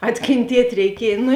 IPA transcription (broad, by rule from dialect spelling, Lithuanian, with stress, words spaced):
ɐtʲkʲeːnʲˈtʲiɛtʲ rʲɛɪˈkʲiɛj ˈnʊ